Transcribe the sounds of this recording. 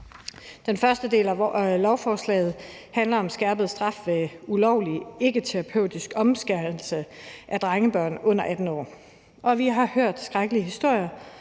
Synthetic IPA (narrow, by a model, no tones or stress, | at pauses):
d̥enfɶɐsd̥əd̥e̝̰ːlælɒʊfɒːslɛ̰ːð̞̩ˠ | hænlɐɒ̽msɡ̥æɐb̥əð̩ˠsd̥ʁɑ̈fʋe̝ulɒʊ̰lie̝ɡ̥ət͡sʰeʁɑpʰøʊ̰d̥isɡ̥ɒ̽msɡ̥æɐ̥l̩səʔæd̥ʁɑŋəb̥ɶɐ̰nɔ̽n̰ɐʔæd̥n̩ɒ̰ː | ʔɒ̽ʋiɦɑ̈høɐ̰d̥sɡ̥ʁaɡ̥əliəɦisd̥o̝ɐ̰jɐ